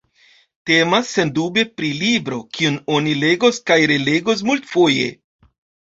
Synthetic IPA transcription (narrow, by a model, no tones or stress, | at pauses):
te̞masːe̞ndube̞pɾilibɾo̞kiuno̞nile̞ɡoskajɾe̞le̞ɡos̬multfo̞je̞̰